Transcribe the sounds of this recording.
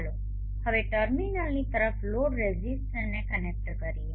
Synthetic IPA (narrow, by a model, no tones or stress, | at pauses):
lo | həʋeʈəɾminəlnit̪əɾəfloɽɾezisʈənekənek̚ʈkəɾie